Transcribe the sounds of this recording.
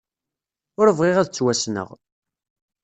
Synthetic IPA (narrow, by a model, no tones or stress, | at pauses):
ʊɾəvʁiʁæðt͡sːwæsnə̰ʁ